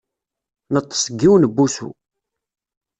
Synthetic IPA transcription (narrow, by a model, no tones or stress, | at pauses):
nət̪ˤːsəɡːiwnəbːusṵ